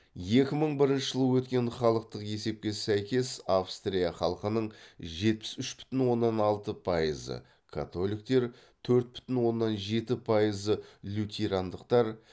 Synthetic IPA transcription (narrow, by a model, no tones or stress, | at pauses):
je̞kʲɪməɴbɪɾɪnʃəʒəlˠəwɵt̪kʲe̞ɴχɑlˠəq̚t̪əqje̞se̞p̚kʲe̞sæjkʲe̞sɑfst̪rʲijaχɑlˠəqənəɴʒe̞t̪̚pɪ̥sʏʃbʏ̥t̪ɪnwo̞nːɑnɑlˠt̪əpʰɑjəzə̰ | kʰa̰t̪o̞lˠijkt̪e̞ɾ | t̪ʰɵɾt̪̚bʏ̥t̪ɪnwo̞nːɑnʒe̞t̪ɪpʰɑjəzəlʲut̪ʲʰeɾand̪əqt̪ɑɾ